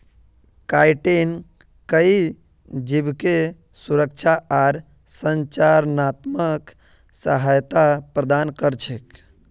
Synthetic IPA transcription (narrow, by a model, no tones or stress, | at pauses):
kajʈen | kəi | d͡ʒibke | suɾək̚t͡ʃʰaʔaɾ | sənt͡ʃaɾnat̪mək | səɦajt̪apɾəd̪ankəɾt͡ʃʰek